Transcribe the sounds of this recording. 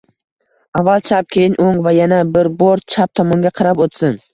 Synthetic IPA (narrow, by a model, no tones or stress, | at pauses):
avːalˠt͡ʃʰap̚kʲʰejɪnʔoŋvajanabɪɾboɾt͡ʃʰap̚t̪ʰɒmɒŋɡʲaqʰɑɾapot̪sɪn